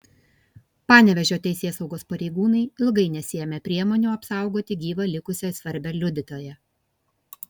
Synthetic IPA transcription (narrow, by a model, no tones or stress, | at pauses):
pɑːnʲɛʋʲɛʒʲoːt̪ʲɛɪsʲeːsɐʊɡoːspɐɾʲɛɪɡuːnɐɪɪlˠɡɐɪnʲɛsʲɪjɛmʲɛpʲɾʲiɛmoːnʲuːɐpsɑˑʊɡoːt̪ʲɪɡʲiːʋɐlʲɪkʊsʲɛsʲʋɐɾʲbʲɛlʲʊd̪ʲɪt̪ʲoːjɛ